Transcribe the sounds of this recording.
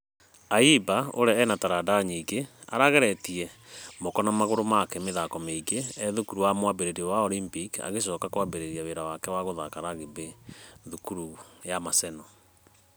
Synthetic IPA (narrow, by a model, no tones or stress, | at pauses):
aibao̰ɾɛɛnataɾadaɲiːɡe | a̰ɾaɣɛɾɛtiɛmokɔnamaɣoɾomakɛmeðakɔmeiɡeɛðukuɾuwamwabeɾeɾiɛwaolimpika̰ɣeʃ̬ɔkakowabeɾeɾiaweɾawakɛwaɣoðakaɾaɣebeðukuɾujamasɛnɔ